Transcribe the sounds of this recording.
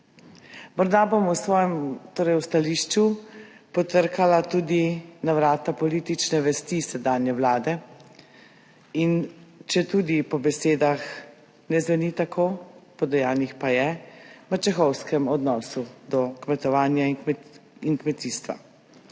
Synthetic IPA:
mɔɾd̪abomusʋɔːjɛmt̪oːɾɛjwst̪aliːʃt͡ʃu | pɔt̪əɾkalat̪uːd̪inaʋɾaːt̪apɔlit̪it͡ʃnɛʋɛst̪isɛd̪aːnjɛʋlaːd̪ɛ | int͡ʃɛt̪uːd̪ipɔbɛseːd̪ax | nɛzʋɛnit̪akʰopɔd̪ɛjaːnixpajɛʋət͡ʃɛxɔwskɛmɔd̪nɔːsud̪ɔkmɛt̪ɔʋaːnjaikmɛiŋkmɛt̪iːst̪ʋa̰

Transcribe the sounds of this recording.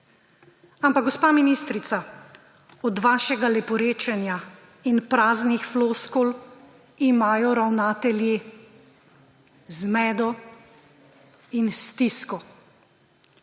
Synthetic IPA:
ampaɡ̚ɡɔspaːminist̪ɾit̪sa | ɔd̪ʋaːʃɛɡalɛpɔɾeːt͡ʃɛnja | inpɾaːznixfloskol | imaːjɔɾawnaːt̪ɛlji | zmɛːd̪ɔ | inst̪iskɔ

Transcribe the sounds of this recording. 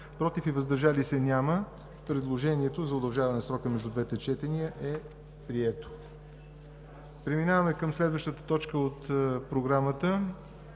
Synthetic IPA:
pɾɔt̪ifivəzd̪əɾʒalisɛnʲamə | pɾɛd̪lˠoʒɛniɛt̪ozɐod̪ɐlˠʒavɐnɛsɾɔkəmɛʒd̪ud̪vɛt̪ɛt͡ʃɛt̪ɛniəʔɛ | pɾiɛt̪o̥ | pɾɛminavəmɛkəmslɛd̪vəʃt̪ət̪ə̥t̪ɔt͡ʃkəot̪pɾoɡɾamət̪ə

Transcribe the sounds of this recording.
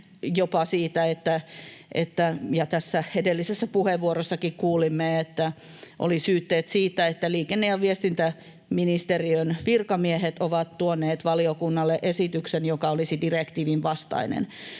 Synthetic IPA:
jopɑsiːt̪æet̪ːæʔḛt̪ːæjɑt̪æsːæhedelːisesːæpuheʋʋuorosːɑkikkuːlimːeet̪ːæ | ʔo̰lisyːt̪ːeːt̪siːt̪ːæet̪ːæliːkenːejɑʋiest̪int̪æ | minist̪eriønʋirkɑmieɦet̪oʋɑt̪t̪uonːeːt̪ʋɑliokunːɑlːeʔesit̪yksenjokɑolisidirekt̪iːʋinʋɑst̪ɑ̰inḛn

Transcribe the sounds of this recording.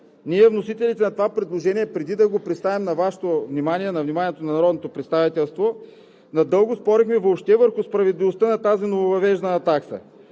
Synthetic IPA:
niɛvnosit̪ɛlit̪ɛnɐt̪ovapɾɛd̪lˠoʒɛniɛpɾɛd̪id̪ɐɡopɾit̪st̪avɛmnɐvaʃɛ̥t̪ovnimaniɛnɐvnimanʲiɛt̪onɐnɐɾɔd̪not̪opɾɛt̪st̪avit̪ɛlˠst̪vo | nɐd̪ɤlˠɡʊspɔɾixmɛvoːpʃt̪ɛvəɾxʊspɾɐvɛd̪livost̪ənɐt̪azinovovɐvɛʒd̪nəːt̪aksə̰

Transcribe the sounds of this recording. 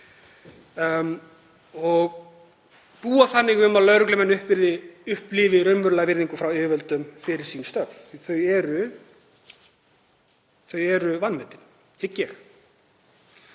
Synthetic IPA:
ɔɣ | puːaθanːɪɣʏmaðlœɥɾʏklɛmɛnːʏhpvɪɾðɪʏhplɪːvɪɾœmvʏɾlavɪɾðiŋkʏfɾawʏːvœlt̪ʏmfɪɾɪɾ̥siːnst̪œɾvθœɥɛɾʏ | θœɥɛɾʏvanːmɛt̪ɪn | hɪcːjɛx

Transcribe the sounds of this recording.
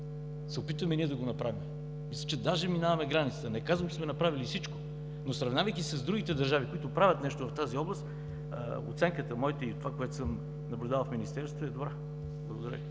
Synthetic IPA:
sɛopit̪vɐmɛniɛd̪ɐɡonɐpɾavim | mislʲət͡ʃɛd̪aʒɛminavɐmɛɡɾanit̪sə̥t̪ənɛkazvəmt͡ʃɛ̥smɛnɐpɾavilifsit͡ʃko̥ | nosɾɐvnavɐjkʲisəzd̪ɾuɡ̟ʲit̪ɛd̪ɐɾʒavikoit̪ʊpɾavʲət̪nɛʃt̪ovɐft̪aziɔblˠəst̪ | ə̰o̰t̪sɛŋkət̪əmɔjt̪oit̪ːovakoɛt̪o̥səm | nɐblʲʊd̪alˠfminist̪ɛɾst̪voɛd̪obɾa | blˠɐɡod̪ɐɾə̰

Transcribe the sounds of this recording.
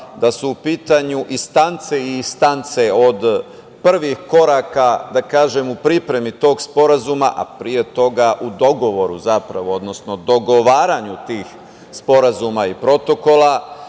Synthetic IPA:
d̪asuːpiːt̪aɲuʔist̪ant̪se̞iist̪ant̪se̞o̞d̪ | pr̩ʋixko̞ɾaːkad̪akaːʒe̞mupɾipɾe̞mit̪o̞ːɡspo̞ɾazuma̰ʔa̰pɾie̞t̪o̞ɡaʔud̪o̞ɡo̞ʋo̞ɾuzapɾa̰ʋo̞od̪no̞sno̞d̪o̞ɡo̞ʋaːɾaɲut̪iːx | spo̞ɾazumaipɾo̞t̪o̞ko̞lˠa

